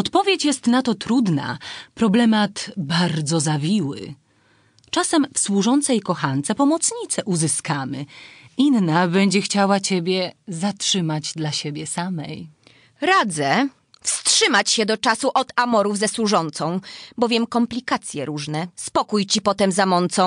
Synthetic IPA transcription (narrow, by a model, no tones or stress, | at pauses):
ɔt̪pɔvʲjet͡ɕjɛst̪nat̪ɔt̪ɾud̪na̰pɾɔblɛmat̪baɾd̪zɔzavʲiwɘ̰ | t͡ʂasɛmfswuʐɔnt̪sɛjkɔxant̪sɛpɔmɔt̪sɲit̪sɛʔuzɘskamɘinːabɛɲd͡ʑɛxt͡ɕawat͡ɕebʲjɛzatʂɘmad͡ʑd̪laɕebʲjɛsamɛj | ɾad̪zɛ | fstʂɘmat͡ɕɕɛd̪ɔt͡ʂasuʔɔd̪amɔɾuvzɛswuʐɔnt̪sɔ̃w̃bɔvjɛmkɔmplʲikat̪sʲjɛɾuʐnɛspɔkujt͡ɕipɔt̪ɛmzamɔnt̪sɔ̃